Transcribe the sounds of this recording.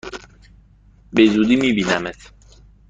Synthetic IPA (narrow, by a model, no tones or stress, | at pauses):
bezuːd̪iːmiːbiːnæmet̪ʰ